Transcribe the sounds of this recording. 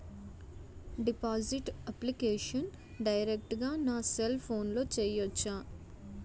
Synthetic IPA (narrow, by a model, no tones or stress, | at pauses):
ɖipaːziʈɐplikeːʂɐn | ɖɐjɾek̚ʈɡaːnaːselpʰoːnloːt͡ʃeːjɐt͡ʃːaː